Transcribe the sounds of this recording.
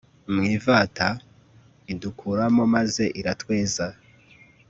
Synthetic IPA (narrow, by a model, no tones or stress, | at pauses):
mŋiːvaːta | idukʰuɾamo̞maze̞ʔiɾatwe̞ːza